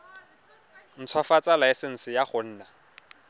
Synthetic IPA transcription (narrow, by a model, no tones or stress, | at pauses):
n̩t͡sʰwafat͡sʼalaɛsɛn̩sɪjaχʊn̩ːna